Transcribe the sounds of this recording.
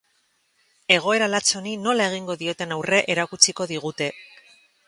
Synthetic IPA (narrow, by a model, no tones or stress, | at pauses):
e̞ɣ̞o̞e̞ɾalat͡so̞nino̞lae̞ɣ̞iŋɡo̞ðio̞t̪e̞nawre̞ʔe̞ɾakut͡siko̞ðiɣ̞ut̪e̞